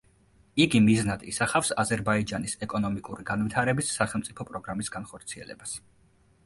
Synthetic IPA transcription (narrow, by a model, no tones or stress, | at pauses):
iɡimiznad̪ḭsaχafsazɛɾbaid͡ʒanisɛkʼɔnɔmikʼuɾiɡanvit̪ʰaɾɛbisːaχɛlˠmt̪sʼipʰɔpʼɾɔɡɾamisɡ̥anχɔɾt̪sʰiɛ̰lɛ̰bas